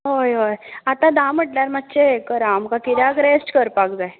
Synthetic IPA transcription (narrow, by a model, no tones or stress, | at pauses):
ɦojɦojat̪ãd̪ãm̤əʈljaɾmat̪ːɕekəɾamkakit̪jaɡɾesʈkəɾpaɡd͡zaj